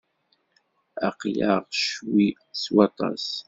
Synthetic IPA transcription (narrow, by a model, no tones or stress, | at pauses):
aqjaʁʃwi | swɑt̪ˤɑ̰s